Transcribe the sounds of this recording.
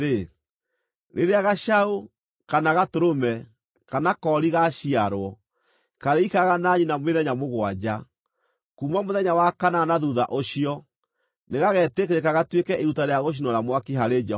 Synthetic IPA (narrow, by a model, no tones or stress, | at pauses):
ɾe | ɾeɾeaɣaʃao | kanaɣatoɾomɛ | kanakɔɾiɣaɕiaɾwɔ | kaɾeikaɣanaɲinamweðɛɲamoɣwad͡ʑa | kuːmamoðɛɲawakananaðuða̰ʔoɕiɔ | neɣaɣɛtekeɾekaɣatwekɛʔeɾutaɾeaɣoʃ̬inɔɾamwakiɦaɾed͡ʑɛ